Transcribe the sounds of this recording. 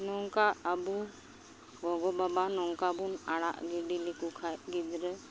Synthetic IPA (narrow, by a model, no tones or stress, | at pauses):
nɔŋkaːbu | ɡɔɡɔbabanɔŋkabunaɽa̰ʔɡiɖilikukʰajɡid̪ɾɛ